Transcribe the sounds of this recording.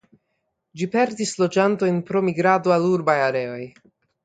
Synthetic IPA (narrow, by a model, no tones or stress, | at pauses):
d͡ʒipe̞ɾdislo̞d͡ʒanto̞jnpɾo̞miɡɾadoaluɾbajaɾe̞o̞j